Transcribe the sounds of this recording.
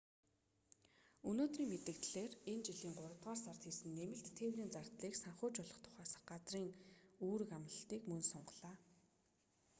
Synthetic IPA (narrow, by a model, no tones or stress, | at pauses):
ɵnoːt̪riːŋmet̪ɘ̆kt̪ɮeːrent͡ɕiɮiːŋɢʊɾə̆t̪ʁaːrsart̪xiːsɘ̆nːemɘ̆ɬt̪ʰːeːwriːnt͡sart̪ɮiːksaɴχʊːt͡ɕɔɮɞ̆χt̪ʰʊ̥χæːs̆χɢat͡sriːŋuːɾɘ̆kamnə̆ɬt̪iːkmɵnsɔɴɢɞɮaː